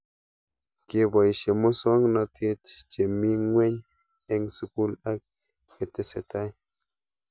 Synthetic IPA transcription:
ke˦ba˨jʃe˨mo˦so˦ŋna˧tʰe˦t̪t͡ʃe˨mi˦ŋwe˦ɲ | e˦ŋsu˦ku˦la˦k̚ | e˨t̪e˦se˨ta˦j

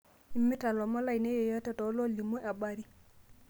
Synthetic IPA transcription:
i˨˦mːi˦ta˨lɔ˨mɔ˦la˨jne˦je˨ja˦tɛ˦˨tɔ˨˦lo˦li˨mo˦ʔa˨ɓa˨ɾi˦

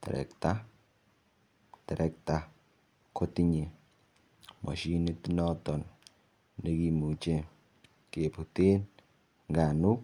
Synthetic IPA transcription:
tɛ̰˨ɾɛ̰˨kta˦ | tɛ˨ɾʔɛ˨k̚ta˨ | ko˦ti˦ɲi˨ | mɔ̰˨ʃi˦ni˦tnɔ˦tɔ˨nː | e˦ki˨mu˨t͡ʃe˦ | ke˨pu˨te˦n | ŋɡa˨nu˦

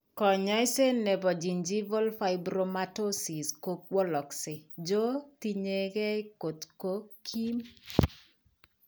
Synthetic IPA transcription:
kɔ˨ɲɔ˦ɪ˦se˦nɛ˨bɔ˨d͡ʒi˨nd͡ʒi˦vo˦lfa˦ɪbɾo˨ma˦to˦si˨sko˦k̚wɔ˦lɔ˨ksɪ˨d͡ʒo˦ti˦ɲe˨ɡɛ˦ɪ˦ko˨tko˦kʰi˦m

